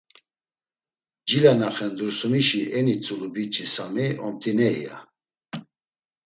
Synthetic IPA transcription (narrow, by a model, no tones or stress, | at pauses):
d͡ʒilanaχɛnd̪ɾusumiʃiʔɛnit͡sʼulubit͡ʃʼisamiɔmt̪ʼinɛḭja̰